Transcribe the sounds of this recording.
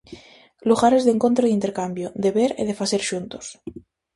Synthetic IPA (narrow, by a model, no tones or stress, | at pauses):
luɣaɾe̞zðe̞ŋko̞nt̪ɾoðint̪eɾkambjod̪e̞βeɾḛðe̞faseɾʃunt̪o̥s